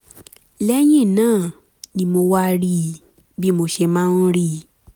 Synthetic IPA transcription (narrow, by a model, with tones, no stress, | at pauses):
lɛ˦j̃ĩ˦˨nãː˦˨ | nĩ˧mo˧wa˦˧ɾi˦ | bi˦mo˧ʃe˧mãː˦˧n̩˦ɾi˦˨